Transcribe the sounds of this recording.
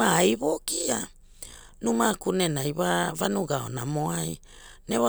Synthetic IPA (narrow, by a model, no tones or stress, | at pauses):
aːjβokia | numakunenajβaβanuɡao̰na̰mo̞aj | neβa